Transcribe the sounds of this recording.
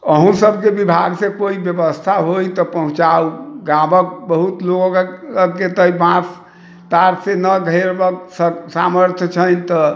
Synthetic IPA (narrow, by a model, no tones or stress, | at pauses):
əɦũsəbʱkebibʱaɡsekoibjəbəst̪ʰaɦojt̪ɔpəɦũt͡ʃauɡãbək̚bəɦut̪loɡəkːet̪əibãs | t̪aɾsenəɡʱəjɾbəksəsaməɾt̪ʰt͡ʃʰənt̪ɔ